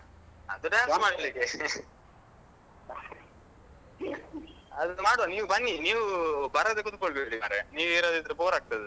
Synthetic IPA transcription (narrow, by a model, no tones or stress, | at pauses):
ɐ̰d̪uʈaːnsmaːɽilike | ɐd̪maːɽoniːʋubɐnːiniːʋubɐɾɐd̪ekut̪ukoɭbeɽimaɾeniːʋeːɾad̪eid̪ɾɐpoːɾaːk̚t̪ɐd̪u